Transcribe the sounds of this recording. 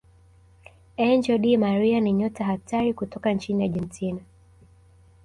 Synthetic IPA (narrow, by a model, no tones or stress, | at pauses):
ɛnd͡ʒɔɗimaɾianiɲɔtaɦatʰaɾikutɔkant͡ʃiniaʄɛntʰina